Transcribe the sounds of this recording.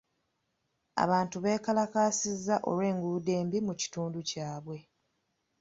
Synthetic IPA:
a̰βaːntuβe̞ːkalakaːsizːaʔo̞̰lwe̞ːŋɡuude̞ːmbimuci̥tuːnducaːβwe̞

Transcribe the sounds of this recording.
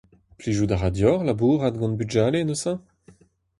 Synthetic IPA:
pliʒud̪aʁad̪jɔʁlabuːʁad̪ɡɑ̃nbyd͡ʒalenosɑ̃

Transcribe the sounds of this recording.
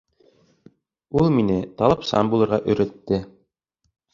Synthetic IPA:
ulˠminɘt̪ɑlˠɤpsɑ̰nbulˠɤ̆ɾʁɑʔɵ̆ɾæ̆t̪ːɘ

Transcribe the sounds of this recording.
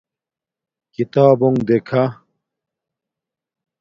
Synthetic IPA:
kit̪aːboŋɡd̪ekʰa

